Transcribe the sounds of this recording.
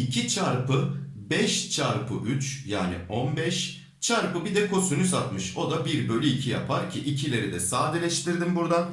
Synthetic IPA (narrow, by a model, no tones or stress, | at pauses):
icʰit͡ʃʰaɾpʰɯ | bɛʃt͡ʃʰaɾpʰɯʔyt͡ʃja̰ːnḭʔo̞nbɛʃ | t͡ʃʰaɾpɯbid̪ɛkʰo̞synysat̪mɯʃo̞d̪abiɾbølʲyicʰija̰pʰaɾcʰiʔicʰilʲe̞ɾid̪ɛsaːd̪ɛlʲɛʃt̪ʰiɾd̪imbuɾd̪a